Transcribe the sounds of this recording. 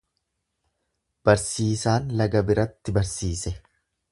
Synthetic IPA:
b̥ɐɾsiːsaːnlɐɡɐbɪɾɐt̪ːɪbɐɾsiːsɛ

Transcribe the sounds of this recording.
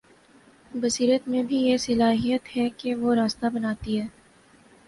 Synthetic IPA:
bɐsiːɾət̪mẽbʱijesɐlaːɦijət̪ɦɛkeʋoɾaːst̪abɐnaːt̪iɦɛː

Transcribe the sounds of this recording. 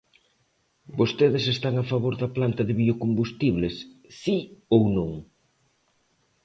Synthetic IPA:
bost̪eðɪsest̪aŋafaβoɾðɐplant̪ɐðɪβiokombust̪iβ̞lesːiownõŋ

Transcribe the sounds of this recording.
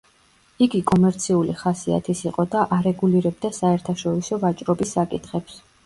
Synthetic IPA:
iɡikʼɔmɛɾt̪sʰiuliχasia̰t̪ʰisiqʼɔd̪aʔaɾɛɡuliɾɛb̚d̪asaɛɾt̪ʰaʃɔɾisɔvat͡ʃʼɾɔbisːakʼit̪ʰχɛps

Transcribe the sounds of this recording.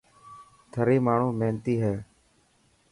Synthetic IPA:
t̪ʰəɾiːmaːɳ̤ũːmeːnt̪iːɦɛː

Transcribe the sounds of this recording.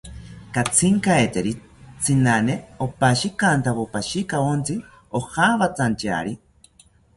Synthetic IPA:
kat͡sʰiŋkaet̪eɾi | t͡sʰinaneopaʃikant̪aβopaʃikaont͡si | ohaβat͡sant͡ʃa̰ɾi

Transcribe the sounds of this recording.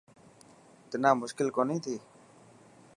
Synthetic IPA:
t̪ɪnaːmʊʃkɪlkoːnĩːt̪ʰiː

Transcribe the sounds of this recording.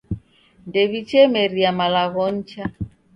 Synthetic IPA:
ndɛβit͡ʃɛmɛɾiamalaɣɔɲ̩t͡ʃa

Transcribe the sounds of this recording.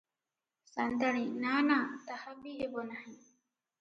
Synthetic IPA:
sand̪aɽinanat̪ahabiɦebɔnahĩ

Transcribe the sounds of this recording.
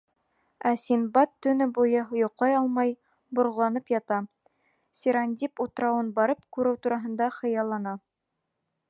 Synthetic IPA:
æsʲinbɑt̪ːɵ̆nɘbujɤɦŏjŏqlˠɑjɑlˠmɑj | bŏɾʁɤlˠɑnɤpjɑt̪ɑ | sʲiɾanʲd̪ʲiput̪ɾɑwɤnbɑɾɤp̚kʉɾɘwt̪uɾɑɦɤ̆nd̪ɑχɤ̆jɑlˠːɑnɑ

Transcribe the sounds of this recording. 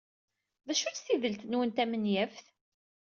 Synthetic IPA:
ðæʃʊɾθiðəlt̪ənwənt̪æmənjæfθ

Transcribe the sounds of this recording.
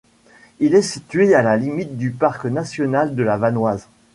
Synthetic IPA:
ilɛsit̪ɥealalimit̪̚d̪ypaʁknasjɔnald̪əlavanwaz

